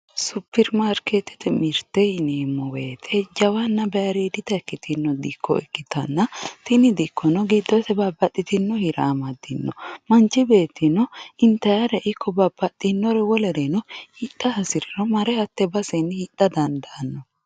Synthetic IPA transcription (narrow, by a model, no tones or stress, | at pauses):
supːɛɾmaɾket̪ɛ̥t̪ɛmɪɾt̪ɛɪneːmːɔweːt̪ʰɛd͡ʒɐwɐnːɐbɛɐɾiːd̪ɪt̪ɐɛkːɪt̪ʰɪnːɔd̪ɪkʰːɔ̰ɛkːɪt̪ʰɐnːɐt̪ɪnɪd̪ɪkːɔnɔɡid̪ːɔsɛbɐbɐt̪ʼːɪt̪ɪnːɔhɪɾaːmɐd̪ɪnːɔmɐnt͡ʃːɪbeːt̪ːɪnːɔɪnt̪ɐjɐɾɛʔɪkʰːɔbɐb̥ɐt̪ʼːɪnːɔɾɛwɔlɛɾɛnɔhit̪ʼːɐɐsɪɾɛɾɔmɐɾɛhɐt̪ːɛbɐsɛnːhɪt̪ʼːɐd̪ɐnd̪ɐnːɔ